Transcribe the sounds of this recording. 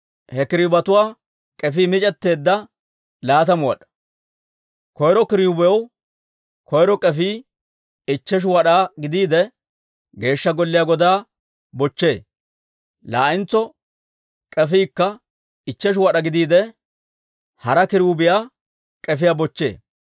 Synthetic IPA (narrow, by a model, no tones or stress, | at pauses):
hɛkɪɾɪbɐt̪ʊwaː | kʼɛfiːmɪt͡ʃʼɛt̪ːe̞ːd̪ːɐ | laːt̪ɐmʊwɐ̰ɗɐ̥ | kɔjɾɔkɪɾɪubɛjw | kɔjɾɔkʼɛfiː | ɪt͡ʃːɛʃ̬ʊwɐɗaːɡɪd̪iːd̪ɛ | ɡe̞ːʃːɐɡɔlːɪjaːɡɔd̪aː | bɔt͡ʃːe̞ː | laːɪnt͡sːɔ | kʼɛfiːkːɐ | ɪt͡ʃːɛʃ̬ʊwɐɗɐɡɪd̪iːd̪ɛ | hɐɾɐkɪɾubɪjaː | kʼɛfɪjabɔt͡ʃːe̞̰ː